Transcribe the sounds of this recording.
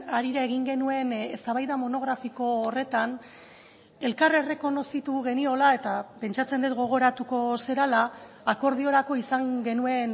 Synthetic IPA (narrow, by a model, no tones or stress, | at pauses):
aɾiɾae̞ɣ̞iŋɡe̞nue̞nest̪aβajðamo̞no̞ɣ̞ɾafiko̞ːre̞t̪an | e̞lkare̞re̞ko̞no̞sit̪uɣe̞nio̞lae̞t̪ape̞nt͡ʃat͡se̞nd̪et̪ɡo̞ɣ̞o̞ɾat̪uko̞se̞ɾalaː | ko̞ɾð̞io̞ɾako̞isaŋɡe̞nue̞n